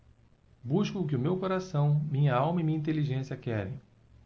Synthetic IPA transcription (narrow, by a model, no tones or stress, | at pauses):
buʃkʊk̬ɪʊmewkoɾasɐ̃w̃mĩɲɐawmɐimĩɲĩnt̪̬eliʒẽsiɐkɛɾḛ̃j̃